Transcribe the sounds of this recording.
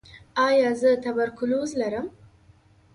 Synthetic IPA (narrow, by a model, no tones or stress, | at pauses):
aːjaːzɨt̪ʰɐbɐɾkʰuluːzlɐɾɨm